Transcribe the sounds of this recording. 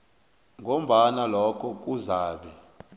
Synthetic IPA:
ŋʱom̩ɓanalɔkʰɔk̬ʼuzaːɓɛ

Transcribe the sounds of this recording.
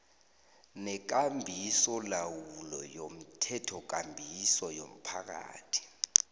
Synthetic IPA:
nɛk̬ambʱisɔlawulɔjom̩tʰɛtʰɔk̬ʼambʱisɔjom̩pʰak̬a̰ːtʰi̥

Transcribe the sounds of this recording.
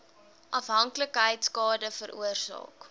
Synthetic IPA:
ʔɐfɦɐŋkləkɦəjtskɑːdəfəɾʔṵərsɑ̰ːk

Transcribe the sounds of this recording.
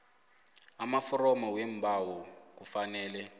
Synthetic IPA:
amafɔrɔmawem̩bawɔkufanɛːlɛ

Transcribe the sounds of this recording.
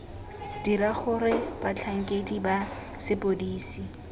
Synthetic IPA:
d̥iɾaχʊɾɪb̥at͡ɬʰaŋ̩kʼediba | sɪpʼodiːsi

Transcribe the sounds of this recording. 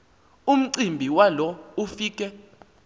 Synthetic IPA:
um̩ǀimbʱiwalɔufiːk̬ʼɛ

